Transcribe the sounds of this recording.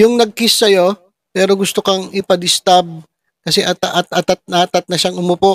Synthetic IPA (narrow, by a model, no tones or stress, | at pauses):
jʊŋnɐɡ̚kɪsːɐjo̞ | pɛːɾo̞ɡʊst̪o̞kɐŋɪpɐd̪ɪst̪ab̚ | kɐsɛʔɐt̪ɐʔɐt̪ʔɐt̪at̪̚nat̪at̪̚nɐʃaŋʊmʊpo